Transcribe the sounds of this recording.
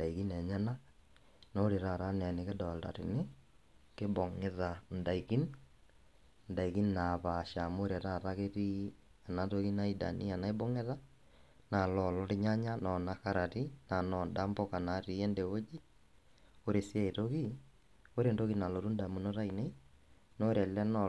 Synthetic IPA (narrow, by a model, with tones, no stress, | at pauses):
nda˨iɣi˦nɛ˨ɲa˦na˦ | no˦ɾe˨ɾa˨ɾa˦n˨a˨ne˨ke˦dɔ˨lta̰˨ɾe˨ne˦ | ke˦bɔ˨ŋeða˨nda˨iɣi˦n | nda˨iɣi˦nna˨βa˨ʃa˨mo˦ɾe˨ɾa˦ɾa˦ɣe˦ɾi˦ | a˨na˨ɾoɣi˦na˦i˦da̰˨ni˦a˨na˦e˦bo˦ŋe˦ða˦ | na˨lɔ˨lɔ˦ɾe˦ɲa˦ɲa˦nɔ˨na˨kaɾa˨ɾi˦na˨nɔ˨nda˦mbɔ˦ka˨na˨ɾi˨e˦nde˨o˦d͡ʒi˦ | o˦ɾe˨sa˦e˨ɾoɣi˦ | o˦ɾendo˦ɣi˦na˨lo˨ɾu˦nda˨mu˨no˦ɾa˦i˨ne˦ino˦ɾa˨la˦nɔ